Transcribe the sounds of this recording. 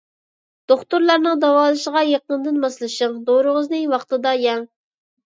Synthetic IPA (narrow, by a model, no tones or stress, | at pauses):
d̪̥oχt̪uɾlˠɑɾnɨŋd̪ɑwɑːlˠɨʃəʁɑjeqənd̪ɨnmɑslˠɨʃɨŋd̪oɾʊʁəznɨwɑχt̪ɨd̪ɑjɛŋ